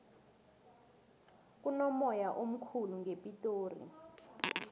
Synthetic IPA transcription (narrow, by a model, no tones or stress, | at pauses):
k̬ʼunɔmɔjaʔom̩kʰuluŋepʼitʼoːrḭ